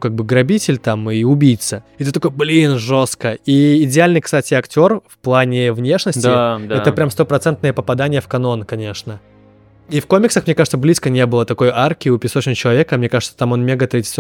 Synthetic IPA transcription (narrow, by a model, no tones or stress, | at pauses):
kaɡ̚bɨɡɾɐbʲitʲɪlʲt̪amɨʊbʲijt̪səɪt̪ɨt̪ɐko̞jblʲinʐo̞st̪kəiːdʲɪalʲnɨjkst̪atʲɪɐktʲo̞rfplˠanʲɪvnʲe̞ʂnəsʲtʲɪd̪ɛt̪əpɾʲamst̪o̞pɾɐt̪sɛnt̪̚nɨjəpəpɐd̪anʲɪjəfkɐno̞nkɐnʲe̞ʂnə | ifko̞mʲɪksəxmnʲe̞kaʐɨt̪səblʲiskənʲe̞bɨlˠət̪ɐko̞jarkʲɪʊpʲɪsot͡ɕnt͡ɕɪlˠɐvʲekəamnʲe̞kaʐɨt̪ət̪amo̞nmʲeɡət̪ɾədʲɪ̥t̪